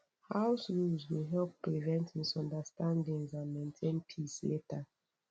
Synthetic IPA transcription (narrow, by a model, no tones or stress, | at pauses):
haʊsɹulzweɦɛlppɹivɛ̃nthisɔ̃ndastãndĩŋzãnmẽntʰẽnpʰisleta